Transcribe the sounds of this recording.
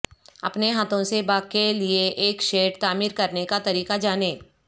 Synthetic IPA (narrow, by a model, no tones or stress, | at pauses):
ɐ̰pneɦaːt̪õsebaːkːelieʔeːkʃeːʈt̪aːmiːɾkɐɾnekat̪ɐɾiːkad͡ʒaːneː